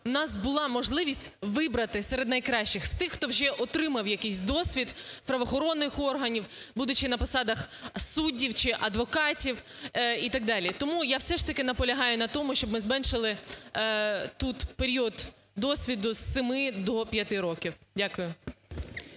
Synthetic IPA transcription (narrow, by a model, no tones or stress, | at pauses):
wnɑsbʊlˠɑmɔʒlˠɪʋʲisʲtʲʋɪbɾɐt̪ɪsɛɾed̪nɐjkɾɑʃt͡ʃɪxst̪ɪxːt̪ɔwʒɛʔɔt̪ɾɪmɐwjɐkɛsʲd̪ɔsʲʋʲid̪pɾɐʋɔxɔɾɔnːɪxɔrɦɐnʲiwbud̪ʊt͡ʃɪnɐpɔsɑd̪ɐxsudʲːiwt͡ʃɪʔɐd̪ʋɔkɑtʲiwit̪ɐɡ̚d̪ɑlʲit̪ɔmujawsɛʂt̪ɐkɪnɐpɔlʲɐɦɑjʊnɐt̪ɔmʊʃt͡ʃɔbmɪzmɛnʃɪlˠɪ | t̪ut̪peɾʲiɔd̪ | d̪ɔsʲʋʲid̪ʊsːɪmɪd̪ɔpʲjɐt̪ɪɾɔkʲiwdʲakʊjʊ